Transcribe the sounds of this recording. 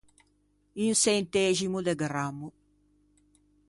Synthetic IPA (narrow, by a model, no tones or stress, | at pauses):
insɛnt̪ɛzimud̪eɡɾamːu